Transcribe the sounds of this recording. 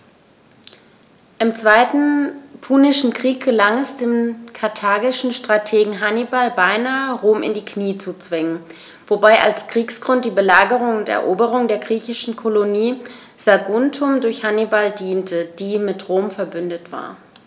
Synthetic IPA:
ʔɪmt͡sv̥aɪtn̩pʰuːnɪʃn̩kʁ̥iːk̚ɡ̥əlaŋɛsd̥eːmkʰaɐtʰaːɡɪʃn̩ʃtʁ̥atʰeːɡŋ̩ɦanibalbaɪnaːəʁoːmʔɪ̰ndiːkniːət͡sut͡sv̥ɪŋən | v̥obaɪʔa̰lskʁ̥iːksɡ̥ʁʊnt̚d̥iːbəlaːɡəʁ̞ʊŋʊntɛ̰ɐʔoːbəʁ̞ʊŋdeːɐɡʁiːçɪʃn̩kʰoloniː | z̥aɡʊntʰʊmdʊɐçhanibaldiːntʰəd̥iːmɪtʁoːmfɛɐbʏndətv̥a̰ːɐ

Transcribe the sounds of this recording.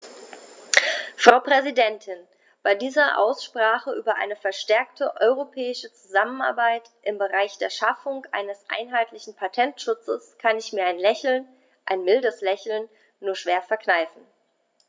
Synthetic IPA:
fʁ̥aʊpʁ̥ɛzidɛntʰɪn | b̥aɪdiːzɐʔa̰ʊsʃpʁ̥aːχəʔyːbɐʔa̰ɪnəfɛɐʃtɛɐktʰəʔɔʏʁopʰɛːɪʃət͡suzaməna̰ɐbaɪtʔɪmbəʁaɪçd̥eːɐʃafʊŋʔa̰ɪnəsʔa̰ɪnɦaɪtlɪçn̩pʰatʰɛntʃʊt͡səskʰanɪçmiːɐaɪnlɛçl̩n | ʔaɪnmɪldəslɛçl̩nː | uːɐʃv̥eːɐfɛɐknaɪfn̩

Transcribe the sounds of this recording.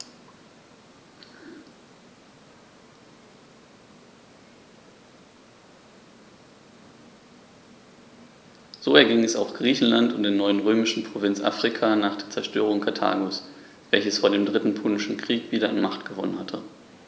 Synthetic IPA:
z̥oːɛɐɡɪŋɛsa̰ʊxɡ̥ʁiːçn̩lantʊntd̥eːɐnɔʏənʁøːmɪʃn̩pʁ̥ovɪnt͡sʔa̰ːfʁ̥ikʰaːnaːχd̥eːɐt͡sɛɐʃtøːʁ̞ʊŋkʰatʰa̰ːɡos | v̥ɛlçəsfoːɐdeːmdʁɪtn̩pʰoːnɪʃn̩kʁ̥iːkv̥iːɾɐanmaχtɡ̥əvɔnənhatʰə

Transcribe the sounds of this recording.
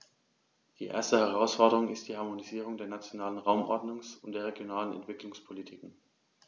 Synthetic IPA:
d̥ḭːʔḛɐstəhɛʁ̞aʊsfɔɐdəʁʊŋɪst̚d̥iːhaɐmoniziːʁ̞ʊŋdeːɐnat͡sjonaːlənʁaʊmʔɔ̰ɐdnʊŋsʊntd̥eːɐʁ̞eɡjonaːlənɛ̰ntv̥ɪklʊŋspʰolitʰiːkŋ̩

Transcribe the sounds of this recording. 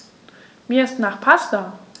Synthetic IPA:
mistnaχpʰastɐ

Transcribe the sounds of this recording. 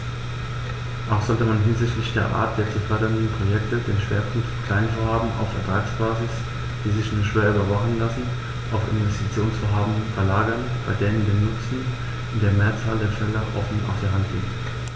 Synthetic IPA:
ʔaʊxz̥ɔltəmanɦɪnzɪçtlɪçd̥eːɐʔa̰ːɐt̚d̥eːɐt͡sufœɐɾɐndən̩pʁ̥ojɛktədeːnʃv̥ḛːɐpʰʊŋk̚tfkʰl̥aɪnfoːɐhaːbm̩ʔa̰ʊfɛɐtʁ̥aːksb̥aːzɪs | d̥iːzɪçnuːɐʃv̥eːɐyːbɐvaχn̩lasn̩ | ʔaʊfɪ̰nvɛstit͡sjoːnsfɔːɐɦaːbm̩fɛɐlaːɡɐn | b̥aɪdeːənndenːʊt͡sn̩ | ʔʊnd̥eːɐmeːɐt͡saːldeːɐfɛlɐʔɔfn̩ʔa̰ʊsd̥eːɐɦantɡ̥ḛːbm̩

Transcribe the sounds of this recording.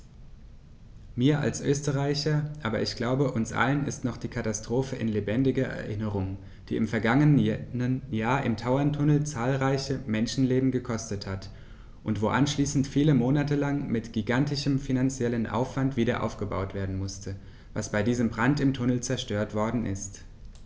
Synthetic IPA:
miːɐʔa̰lsʔøːstəʁaɪçɐʔaːbɐ̰ʔɪçɡ̥laʊbəʔʊnsʔa̰lənɪ̰stnɔχd̥iːkʰatastʁ̥oːfəʔɪ̰nlebɛndɪɡɐʔɛ̰ɐʔɪnəʁʊŋ | d̥ḭːɪmfɛɐɡaŋənənəjaːɐʔɪmtʰaʊɐntʰʊnl̩t͡saːlʁaɪçəmɛnʃn̩leːbm̩ɡəkʰɔstəthat | ʔʊntv̥oːʔanʃliːsn̩tfiːləmoːnatəlaŋmɪtɡ̥iɡantɪʃəmfinant͡sjɛlənʔa̰ʊfv̥antv̥iːdɐʔa̰ʊfɡ̥əba̰ʊtv̥eːɐdn̩mʊstʰə | va̰sb̥aɪdiːzəmbʁantɪmtʰʊnl̩t͡sɛɐʃtøːɐtv̥ɔɐdn̩ʔɪ̰st

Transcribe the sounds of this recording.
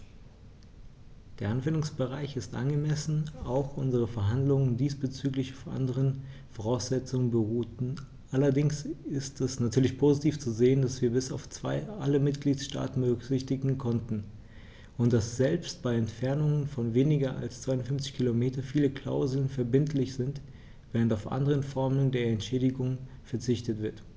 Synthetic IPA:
d̥eːɐanvɛndʊŋsb̥əʁaɪçɪstʔa̰nɡəmɛsn̩aʊxʔʊnzəʁəfɛɐɦandlʊŋəndiːsb̥ət͡syːklɪçaʊfʔa̰ndəʁən | foʁaʊsz̥ɛt͡sʊŋənbəʁuːtn̩ | ʔalɐdɪŋsɪstɛsnatʰyːɐlɪçpʰozitʰiːft͡suzeːəndasv̥iːɐbɪsaʊft͡sv̥aɪʔaləmɪtɡ̥liːtsʃta̰ːtn̩bəʁʏkz̥ɪçtɪɡŋ̩kʰɔntn̩ | ʊnt̚d̥asz̥ɛlpst̚b̥aɪɛntfɛɐnʊŋənfɔnveːnɪɡɐʔa̰lst͡sv̥aɪʊntfʏnft͡sɪ̥çkʰilomeːtɐfiːləkl̥a̰ʊzl̩nfɛɐbɪntlɪçz̥ɪnt | v̥ɛːʁəntaʊfʔa̰ndəʁ̞ənfɔɐməndeːɐɛntʃɛːdɪɡʊŋ | fɛɐt͡sɪçtətv̥ɪɐt

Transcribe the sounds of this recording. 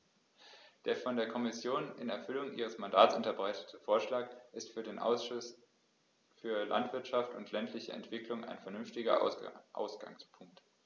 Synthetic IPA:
d̥eːɐfɔndeːɐkʰɔmɪsjoːnʔɪnɛɐfʏlʊŋʔiːʁ̞əsmandaːtsʔʊntɐbʁaɪtə̥tʰəfoːɐʃlaːkʔɪstfyːɐdeːnʔ | fyːɐlʔa̰ntv̥ɪɐtʃaftʊntʰlɛntʰlɪçə̰ɛ̰ntv̥ɪklʊŋʔa̰ɪnfɛɐnʏnftɪɡɐ̰ʔa̰ʊsɡ̥a̰ŋspʰʊŋk̚t

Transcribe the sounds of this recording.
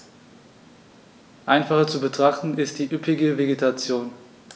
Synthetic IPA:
ʔaɪnfaχɐt͡subətʁ̥aχtn̩ɪstd̥iːʔʏpʰɪɡəveɡetʰat͡sjoːn

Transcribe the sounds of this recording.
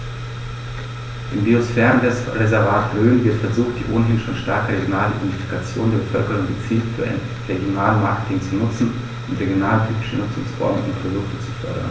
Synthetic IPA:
ʔɪmbiosfɛːʁəndɛʁezɛɐvaːtʁøːnvɪɐtfɛɐzuːxtd̥ḭːʔoːnəɦɪnʃoːnʃtaɐkəʁeɡjonaːləʔḭdɛntifi̥kʰat͡sjo̰ːndeːɐbəfœlkəʁ̞ʊŋɡət͡siːltfyːɐʔa̰ɪn | ʁeɡjonaːlmaɐkə̥tʰɪŋt͡sunʊt͡sn̩ | ʔʊntʁeɡjonaːlətʰyːpɪ̥ʃənʊt͡sʊ̰ŋsbɔ̰ɐɡə̰ʊ̰ntpʁ̥odʊktət͡su̥fœ̰ɐdɐ̰n

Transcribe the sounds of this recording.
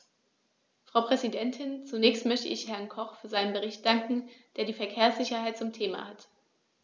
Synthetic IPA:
fʁ̥aʊpʁ̥ɛzidɛntʰɪnt͡sunɛːçstmœçtə̰ʔɪçhɛɐnkʰɔχfyːɐzaɪnənbəʁ̞ɪçt̚d̥aŋkŋ̩d̥eːɐdiːfɛɐkʰeːɐsz̥ɪçɐhaɪt̚t͡sʊmtʰeːma̰hat

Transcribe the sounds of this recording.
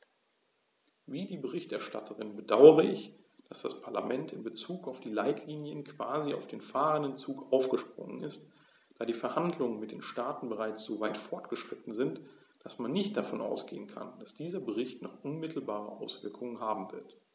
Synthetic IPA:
viːdiːbəʁɪçtʔɛɐʃta̰tʰəʁɪnbədaʊəʁəʔɪç | d̥asd̥aspʰaɐla̰mɛntɪnbət͡suːkaʊfd̥iːlaɪtʰliːnjənkv̥aːziaʊfd̥eːnfaːʁəndənt͡suːkʔaʊfɡ̥əʃpʁ̥ʊ̰ŋə̰nɪst | d̥aːdiːfɛɐhandlʊŋənmɪt̚d̥eːnʃtaːtn̩bəʁaɪt͡sz̥oːvaɪtfɔɐtɡ̥əʃʁ̥ɪtn̩zɪnt | d̥asmanːɪçt̚d̥afɔnʔa̰ʊsɡ̥ḛːənkʰa̰nd̥asd̥iːzɐbəʁɪçtnɔ̰χʔʊnmɪtʰl̩baːʁəʔaʊsv̥ɪɐkʰʊŋənhaːbm̩vɪɐt

